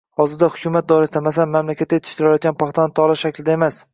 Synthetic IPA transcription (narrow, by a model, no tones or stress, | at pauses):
hɒzɪɾd̪ahʊkʲʰʊmat̪̚d̪ɒɾɪsɪd̪amasanmamlakʲat̪ːajet̪ʰɪ̥ʃt̪ɪɾɪlajɒt̪̚ɡʲanpʰɑχt̪ʰant̪ʰɒlˠaʃʃakʲlɪd̪ae̞mas